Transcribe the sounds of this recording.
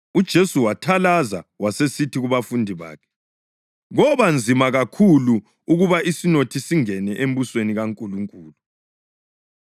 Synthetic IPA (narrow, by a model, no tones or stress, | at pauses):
ud̥ʒ̥ʱesuwatʰalazawasesitʰiɣuβafundʱiβa̰ːkʰɛ̥ | ɣɔβand͡zʱimaɣakʰulu | uɣuβaʔisinotʰisiŋɛnɛʔembusweniɣaŋkʼuluŋkʼuːlu